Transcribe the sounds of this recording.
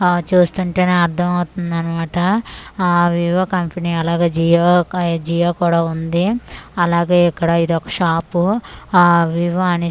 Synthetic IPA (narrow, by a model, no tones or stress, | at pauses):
t͡ʃuːst̪uɳʈe̞ːneːɐɾd̪ʱɐmɐwt̪und̪ɐnimaːʈɐ | ʋiʋɐkɐmpɐniɐlaːɡeːd͡ʒijod͡ʒijaːkuːɽaːund̪iɐlaːɡe̞ːikːɐɽɐid̪ɔkɐ̥ʂaːpu | ʋiʋɐɐni